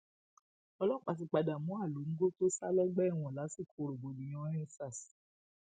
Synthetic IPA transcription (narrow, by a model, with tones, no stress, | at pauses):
ɔ˧lɔ˦˨k͡pa˨t̬i˧˨k͡pa˨da˨mũ˦a˦˨lo˨˦ŋ̩˦ɡo˦to˦sa˦lɛ˦ɡ͡bɛ˦˨w̃ɔ̃˨la˨˦si˦˨kʰo˨ɾo˨bo˨nĩ˨j̃ɔ̃˧˦ĩ˦sa˦˨s